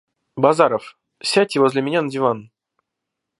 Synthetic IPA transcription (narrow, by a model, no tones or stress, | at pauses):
bazaɾəf | sʲætʲːɪvozʲlʲɪmʲɪnʲanədʲɪvan